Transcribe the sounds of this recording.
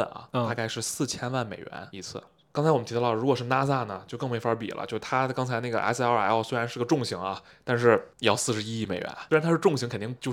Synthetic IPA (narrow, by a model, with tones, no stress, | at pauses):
ə̰˩nɐ̰˩a˥ka˥˧ɪʂɻ̩˥˧sɹ̩˥˩t͡ɕʰjɛ˥nwa˥˩nme˨˩ɪɥɛ̰˧˥ni˧˥t͡sʰɹ̩̰˥˩ | kɑ˥ŋt͡sʰɪwɔ˨˩mnʰ˧˥˧ɻu˧˥kwɔ˨˩ʂɻ̩˥˧na˥sa˥˩nə˩t͡ɕjo˥˧ʊkɤ˥˧ŋme˧˥˩ɪfə˧˥pḭ˨˩lʔə̰˦t͡ɕjo˥˧ʊʂ̩˧˩t̪ʰa˥kɑ˥ŋt͡sʰa˧˥ɪna˥˩ɡə̰˩ʔa̰˧˥ɪs̩˥˧ɑ˥˩˨a˧˥ɑ˥˩swɪa˧˥nʂɻ̩˥˧˥ɡə˩ʈ͡ʂʊ˥˩ŋɕi˧˥ŋɐ˧ | t̪a˥˧nʂɻ̩˥˩˧jɑ˥˧ʊsɹ̩˥˩ʂɻ̩˧˥i˥i˥˩me˨˩ɪɥɛ̰˧˥n˥˧˥nt̪ʰa˥ʂɻ̩˥˧ʈ͡ʂʊ˥˩ŋɕi˧˥ŋkʰə˨˩nt̪i˥˧ŋt͡ɕjo˥˧ʊ